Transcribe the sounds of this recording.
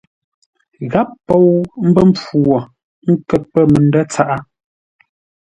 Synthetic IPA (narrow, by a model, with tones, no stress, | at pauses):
ɣa˦pːɔ˦˨wm̩˦bə˦m̩˦p͡fu˨ɔ˨ | ŋ̩˦kɛ˨t̚pə˦˨mə˨n˦də˦t͡sa˦˨ʔa˦